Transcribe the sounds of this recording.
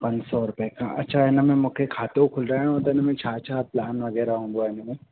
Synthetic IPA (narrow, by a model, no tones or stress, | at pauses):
pɐ̃ɲd͡ʒsɔɾʊpekãɐ̰tːʃʰaɦɛnamẽmʊkʰekʰaːt̪eukʰʊlɾaõt̪enɐmẽt͡ʃʰaːt͡ʃʰaːplaːnʋɐɡɛːɾaɦũːɡoɛːnɐmẽ